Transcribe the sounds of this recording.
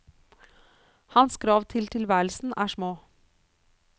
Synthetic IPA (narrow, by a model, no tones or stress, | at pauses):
hɑnskʰɾɑːʋt̪ʰɪlt̪ʰɪlʋæːɾlsn̩ʔæːʂmoː